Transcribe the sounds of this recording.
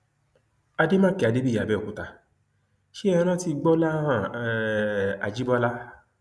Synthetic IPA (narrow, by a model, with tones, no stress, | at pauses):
a˧de˦mãː˦ke˨a˨˧de˦bi˦˨a˨bɛ˦o˨ku˨˦ta˧ | ʃe˦ɛ˧ɾ̃ã˦ti˧ɡ͡bɔ˦la˦ã˦˨ | a˨d͡ʒi˦bɔ˦la˦